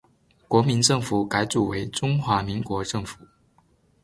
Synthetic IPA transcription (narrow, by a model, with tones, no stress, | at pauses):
kwɔ˧˥mi˧˥nʈ͡ʂɤ˥˩ŋfu˨˩˦ka˧˥ɪt͡su˨˩we˧˥ɪʈ͡ʂʊ˥ŋxwa˧˥mi˧˥ŋkwɔ˧˥ʈ͡ʂɤ˥˩ŋfu˨˩˦